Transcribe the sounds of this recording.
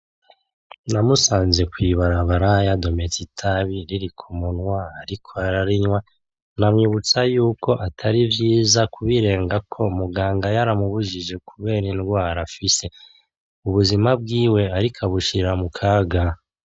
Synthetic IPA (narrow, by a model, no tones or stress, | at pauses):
namusaːnze̞kwiβaɾaβaɾajado̞me̞titʰaβiɾiɾikʰumunwaaɾikʰo̞aɾaɾiɲwa | namɲuβut͡sajuːko̞ʔatʰaɾivjiːzakuβiɾe̞ːŋɡakʰo̞muɡaːŋɡajaɾamuβuʒiʒe̞kʰuβe̞ːɾinɡwaːɾafise̞ | uβuzimab̚ɡiːwe̞aɾikʰaβuʃiɾamukʰaːɡa